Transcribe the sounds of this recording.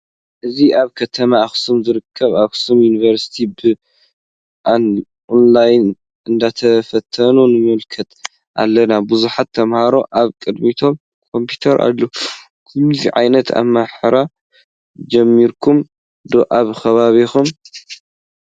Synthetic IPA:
ʔɨziʔaβkʰɐt̪ʰɐmaːxsumzɨɾɨkʰːɐβaxsumjunivɐɾsi̥t̪ʰibɨ | ʔan | ʔonlajn | ʔɨnd̪at̪ʰɐfɐt̪ʰːɐnunɨmɨlkʰɐt̪ | ʔa̰lːɐnabuzuħat̪ʰːɐmhaɾo̞ʔaβkʼɨd̪mit̪ʰo̞m | kʰo̞mpʰut̪ʰɐɾʔa̰lːo | kʰɨmziʕa̰jnɐt̪ʰa̰mːaħɨɾa | d͡ʒɐmːiɾkʰum | d̪oʔaβxɐβaβixum

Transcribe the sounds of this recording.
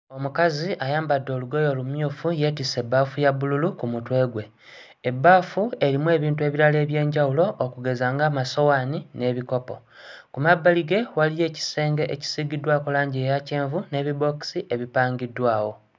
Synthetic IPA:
o̞mukaziajaːmbadːo̞ːluɡo̞jo̞ːlumjuːfuje̞ːt̬ise̞bːaːfujaβululukumutwe̞ːɡwe̞ | ebːaːfue̞ɾimuwe̞ːβiːntue̞ːβiɾale̞ːβje̞ːɲɟawulo̞ʔːkuɡe̞zaːŋɡamaso̞waːnine̞ːβiko̞po̞̰ | kumabːaliɡe̞walije̞ːci̥se̞ːŋɡe̞ʔeci̥siɡidwakulaːɲɟiejace̞ːɱvune̞βibo̞ki̥siʔe̞βipaːŋɡidːwaːwo̞

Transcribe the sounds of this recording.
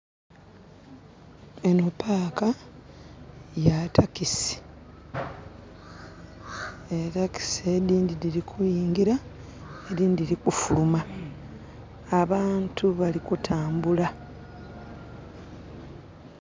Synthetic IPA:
enupʰaːka | jatʰakisi̥ | e̞taki̥sediːndidiɾikʰujiːŋɡiɾa | ediːndiɾikufuluma | βaːntʰuβalikutʰaːmbula

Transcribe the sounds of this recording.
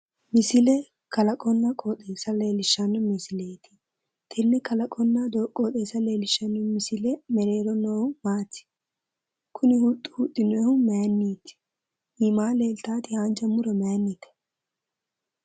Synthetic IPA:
mɪsɪlɛ | kɐlɐkʼɔnːɐkʼoːt̪ʼe̞ːsɐle̞ːlɪʃːɐnːɔmɪsɪle̞ːt̪ɪ̥ | t̪ʰɪnːɪkɐlɐkʼɔnːɐd̪oːkʼːoːt̪ʼe̞ːsɐle̞ːlɪʃːɐnɔmɪsɪlɛmɛɾe̞ːɾɔnɔːhʊmaːt̪ːɪ̥ | kʰʊnɪhut̪ʼːʊ̥hut̪ʼːɪnɔːhʊmɛjnːiːt̪ɪ̥ | ʔɪmaːleːlt̪aːt̪ɪand͡ʒɐmʊɾɔmenːiːt̪ɛ̥

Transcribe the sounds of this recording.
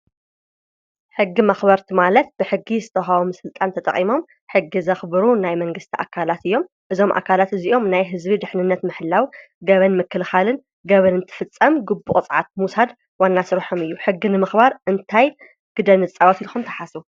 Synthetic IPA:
ħɨɡːimɐxbɐɾt̪ʰimalɐt̪̚b̥ɨħɨɡːizɨt̪ʰɐxawomɨsɨlt̪ʼant̪ʰɐt̪ʼɐ̰χʼimo̞m | ħɨɡːizɐxbɨɾunajmɐŋɡɨst̪ʰiʔa̰kʰːalat̪ɨjːo̞m | ʔɨzo̞mʔa̰kʰalat̪ɨziʔo̞mnajɦɨzbid̪ɨħnɨnːɐt̪mɨħɨlːaw | ɡɐβɐnmɨkʰːɨlxalɨn | ɡɐβɐnɨnt̪ʰɨ̥fɨt͡sʼːɐmɡɨbːuʔʼt͡sʼʕa̰t̪̚musad̪ | wanːasɨɾħomɨjːuħɨɡːinɨmɨxbaɾʔɨnt̪ʰaj | ɡ̥ɨd̪ɐnɨt͡sʼawat̪ilxumt̪ʰɐħasu

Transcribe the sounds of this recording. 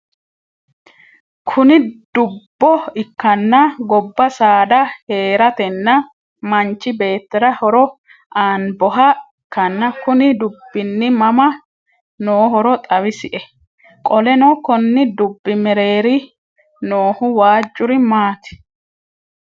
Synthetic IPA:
kʰʊnɪd̪̥ʊbːɔɪkːɐnːɐɡɔbːɐsaːd̪ɐhe̞ːɾɐt̪ɛnːɐ | mɐnt͡ʃːɪbe̞ːt̪ːɛɾɐhɔɾɔ | aːnbɔɦɐɪkːɐnːɐkʊnɪd̪ʊbːɪnːɪmɐmɐ | noːɦɔɾɔt̪ʼɐwɪsɪʔɛ | kʼɔlɛnɔkɔnːɪd̪ʊbːɪmɛɾe̞ːɾɪ | noːhʊwaːd͡ʒʼːʊɾɪmaːt̪ɪ̥

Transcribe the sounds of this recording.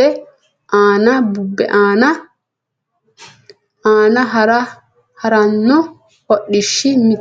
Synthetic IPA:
ɛ | ʔaːnabubːɛ̰ʔaːna | ʔaːnaɦaɾa | hɐɾanːɔ | hɔɗːiʃːimi

